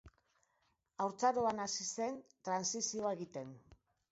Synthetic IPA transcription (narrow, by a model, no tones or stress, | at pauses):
awɾt͡saɾoanasise̞nt̪ɾansisio̞ae̞ɣit̪e̞n